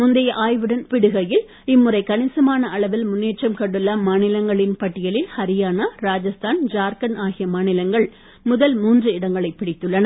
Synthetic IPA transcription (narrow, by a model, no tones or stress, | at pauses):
mʊnd̪ɐjɐʔaːjʋɯɽɐnpɪɽɯɣɐjɪl | ɪmːɯɾɐɪkɐɳɪsɐmaːnɐʔɐɭɐʋɪlmʊnːeːʈt͡ʃːɐmkɐɳːɯlːɐmaːnɪlɐŋɡɐɭɪnpɐʈːɪjɐlɪlhɐɾɪjaːnɐɾaːd͡ʒɐst̪ʰaːnd͡ʒaːɾkɐnaːɣɪjɐmaːnɪlɐŋɡɐɭ | mʊðɐlmuːndrɯɪɽɐŋɡɐɭɐɪpːɪɽɪt̪ːɯɭːɐnɐ